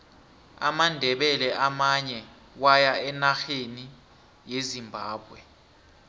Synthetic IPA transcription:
a̰mandʱɛɓɛlɛʔamaɲɛ | wajaɛnaxeni | jezimbʱaːɓwɛ

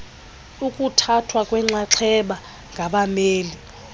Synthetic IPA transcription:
ukʼutʰatʰwakʼwɛŋ͡ǁaǁʰɛɓa | ŋɡʱaɓameːli

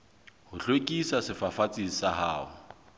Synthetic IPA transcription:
hʊɬwekʼisasɪfafat͡sʼisaɦaːɦʊ

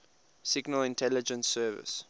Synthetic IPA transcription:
sɪɡnəlɪ̃ntʰɛlɪd͡ʒə̃nsːɜːvɪ̰s

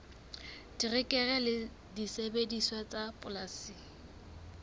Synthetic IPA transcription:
d̥irɪkʼɛɣɛlɪ | disebediswat͡sʼapʼʊlasi

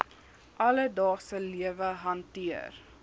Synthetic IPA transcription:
ʔɐlədɑːχsəliəvəɦɐntiər

